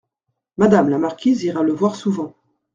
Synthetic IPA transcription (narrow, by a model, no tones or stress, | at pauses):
mad̪amlamaʁkʲiziʁaləvwaʁsuvɑ̃